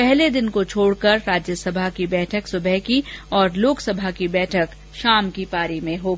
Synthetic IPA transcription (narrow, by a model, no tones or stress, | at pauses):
pɛɦled̪ɪnkot͡ʃʰoːɽkɐɾːaːd͡ʒjəsɐbʱakibɛːʈʰəksʊbʱɛɦkiɔːɾloːksɐbʱakibɛːʈʰək | ʃaːmkipaːɾimẽɦoːɡ